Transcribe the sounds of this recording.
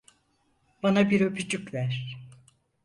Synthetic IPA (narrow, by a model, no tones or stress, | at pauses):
b̥anabiɾøpʰyd͡ʒyclæɾ̥